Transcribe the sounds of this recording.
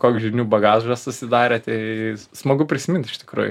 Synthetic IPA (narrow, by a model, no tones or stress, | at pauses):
koːkʲʒʲɪnʲuːbɐɡɑːʒʒɐssʊsʲɪd̪ɑːɾʲet̪ʲɛɪsmɐɡʊpʲɾʲɪsʲɪmʲɪnt̪ɪʃt̪ʲɪ̥kɾṵːjʊ̰